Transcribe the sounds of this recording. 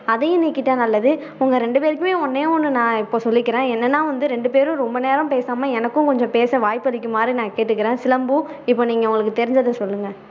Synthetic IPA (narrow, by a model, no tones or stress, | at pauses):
ɐðɛjʊ̃niːkːɪʈːaːnɐlːɐðɯ | ʊŋɡɐɾɛɳɖɯpeːɾɯkːɯmeːɔnːẽːɔnːɯnãːɪpːoːsɔlːɪkːɪɾẽːɛnːɐnːaːʋɐnd̪ɯɾɛɳɖɯpeːɾɯ̃ɾɔmbɐneːɾɐmpeːsaːmɐɛnɐkːʊ̃kɔɲd͡ʒɔ̃peːsɐʋaːjpːɯɐlɪkːɯmːaːd̪ɾinãːkeːʈːɯkːɪɾẽːsɪlɐmbu | ɪpːoːniːŋɡɐʋʊŋɡɐɭɯkːɯt̪ɛɾɪɲd͡ʒɐðɯsɔlːɯŋɡɐ